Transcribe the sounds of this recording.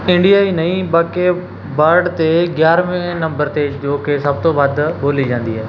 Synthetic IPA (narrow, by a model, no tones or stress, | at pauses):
ɪ̃ɳɖijaːinɐĩbaːke | bəɾɖt̪eɡjaːɾmẽnɐ̃mbəɾt̪ed͡ʒoːkesɐb̚t̪oʋəd̪boːlid͡ʒãːnd̪iɦɛː